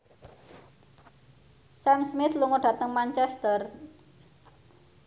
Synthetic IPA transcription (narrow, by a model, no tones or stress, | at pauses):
sɛmsmɪθluŋoɖ̥ä̤t̪əŋmant͡ʃɛst̪ər